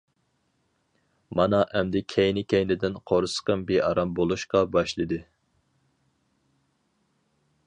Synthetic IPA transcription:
mɑnɑʔɛmd̪ɪkʲʰɛjnɪkʲʰɛjnɪd̪ɪnqʰoɾsə̥qəmbeʔɑɾɑmbolˠuʃqɑbɑʃlˠɨd̪ɨ

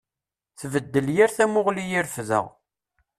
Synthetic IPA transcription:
θvəd̪ːəljaɾθæmʊʁlijiɾfðə̰ʁ

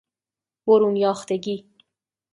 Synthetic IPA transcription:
boɾunjɑːxt̪eɡi

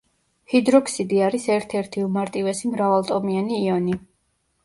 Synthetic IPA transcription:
hid̪ɾɔkʰsid̪iaɾisɛɾt̪ʰɛɾt̪ʰiumaɾt̪ʼivɛsimɾavalˠt̪ʼɔmianiːɔni

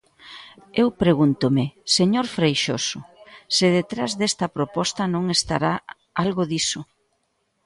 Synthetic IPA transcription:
ewpɾeɣunt̪ʊmɪseɲoɾfɾejʃosʊsɪðet̪ɾazðest̪ɐpɾopɔst̪ɐnõŋest̪a̰ɾa | alɣoðisʊ

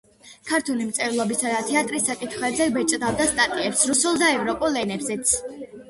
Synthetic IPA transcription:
kʰaɾt̪ʰunimt̪sʼɛɾlˠɔbisad̪at̪ʰɛat̪ʼɾisːakʼit̪ʰχwɛzɛbɛt͡ʃʼd̪avd̪ast̪ʼat̪ʼiɛpsɾusulˠd̪aɛvɾɔpʼulˠːɛnɛbzɛt̪sʰ

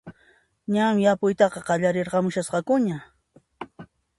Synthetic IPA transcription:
ɲamɪjapʊjt̪ɑqɑqɑʎaɾeɾɢɑmʊʃasqɑkʊɲa

